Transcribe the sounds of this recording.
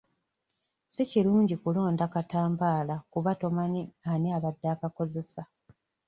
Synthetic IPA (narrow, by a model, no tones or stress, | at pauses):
siciluːɲɟikulo̞ːndakataːmbaːlakuβato̞manianiaβadːaːkako̞ze̞sa